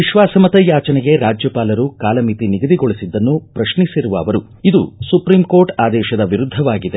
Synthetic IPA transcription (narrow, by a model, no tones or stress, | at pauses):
ʋiʃʋaːsɐmɐt̪ɐjaːt͡ʃɐnɛɡe̞ɾaːd͡ʒjɐpaːlɐɾukaːlɐmit̪iniɡɐd̪iɡoɭisid̪ːɐnːupɾɐʃnisiɾuʋɐːʋɐɾu | id̪ṵsupɾiːmko̞ːɾʈaːd̪ɛːʃɐd̪ɐʋiɾud̪ʱːɐʋaːɡid̪e